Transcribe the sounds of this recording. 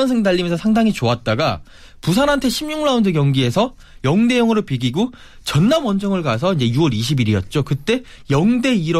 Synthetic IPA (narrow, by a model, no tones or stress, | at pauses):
ʌnsʰɯŋdaʎːimjnsʰʌsʰaŋdaŋit͡ɕoat̚t͈aɡa | pusʰanɦantʰe̞ɕʰimɲuŋɭaundɯk̬jʌŋɡie̞sʰʌ | jʌŋde̞jʌŋɯɾopiɡiɡo | t͡ɕʌnːamwʌnd͡ʑʌŋɯɭkas̬ʰʌind͡ʑe̞juʌɾiɕʰibiɾiʌt̚t͡ɕ͈okɯt͈e̞ | jʌŋde̞iɾʌ